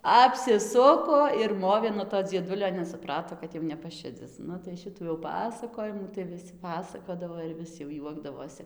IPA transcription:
ɐpʲsʲɪˈsʊkoː ɪr ˈmoːʋʲeː nuɔ toː d͡zʲiɛˈdʊlʲoː nʲɛs sʊˈprɑːtoː kɐt ˈjɛʊ nʲɛpɐˈʃʲɪd͡zʲɪs ˈnʊ tɐɪ ˈʃʲɪtuː jɛʊ ˈpɑːsɐkoːjɪmuː tɐɪ ʋʲɪˈsʲɪ pɐˈsɑːkoːdɐʋoː ɪr ˈʋʲɪs jɛʊ ˈjuɔɡdɐʋoːsʲɪ

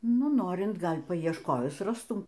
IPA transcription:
ˈnʊ ˈnoːrʲɪnt ˈɡɐlʲ pɐɪɛʃˈkoːjʊs ˈrɑːstʊm

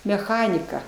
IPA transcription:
mʲɛˈxɑːnʲɪkɐ

